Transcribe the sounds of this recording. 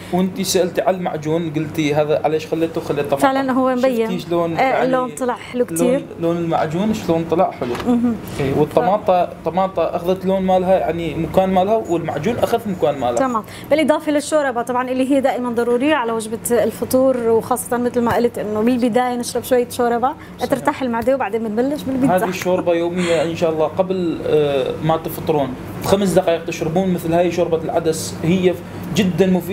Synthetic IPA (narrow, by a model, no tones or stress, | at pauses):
wʔɪnt̪isaʔɪlt̪iʕallmaʕd͡ʒuːnɡʊlt̪iɦaːðaʕa̰leːʃxalːet̪uxalːit̪ˤːɑmfɪʕlanɦʊwːembajːɪnːʃloːneːllːoːnt̪ˤːɑlɑʕħɪlukliːɾ | loːnɪlma̰ʕd͡ʒuːnʃloːnt̪ˤɑlɑʕħɪluɦ | ʔiːwət̪ˤːɑmɑːt̪ˤɑt̪ˤːɑmɑːt̪ˤɑʔaxðat̪loːnmaːlɦaja̰ʕnimʊkaːnmaːlhawɪlma̰ʕd͡ʒuːnʔaxaðmʊkaːnmaːlɑmɑːm | bɪlʔɨd̪ˤɑːfilɪʃːoːɾˤɑbat̪ˤɑbʕɑnʔɪlːiɦijːad̪aːʔɪmand̪ˤɑɾˤuːɾɪjːaʕalawad͡ʒbalfɑt̪ˤuːɾwxɑːsˤːɑt̪ˤɑnmɪt̪lmaʔalt̪ʔɪnːʊbɪlbɪd̪aːjanɪʃɾˤɑbʃwajːaʃoːɾˤɑba | ʔt̪ɪɾt̪aːħɪlmaʕd̪eːwbaʕd̪eːnmanbalːɪʃbɪlbɪhaːðiʃːoːɾbajoːmɪjːaʔɪnʃaːʔɑlˤːɑːqabl | mat̪ɪft̪ˤːɨɾuːn | xams̬d̪ɑqɑːjɪq̚t̪ɪʃɾɪbuːnmɪθlhaːjʃoːɾbalʕad̪as | hɪjːa | d͡ʒɪd̪ːanmʊfiː